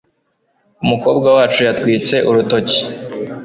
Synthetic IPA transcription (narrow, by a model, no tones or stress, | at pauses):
umuko̞ːbɡawaːt͡ʃujatkwiːt͡se̞ʔuɾuto̞ci̥